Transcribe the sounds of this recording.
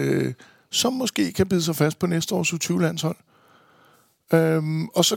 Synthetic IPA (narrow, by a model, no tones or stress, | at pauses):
ø | sɒ̽mːɔ̽sɡ̥e̝̰ːkʰæb̥iðˠsɑ̈ɪfæsd̥̚pʰɒ̽nesd̥əɒ̰ːsut͡sʰyːʊlæn̰shɒ̽l̰ | ømɒ̽sɒ̽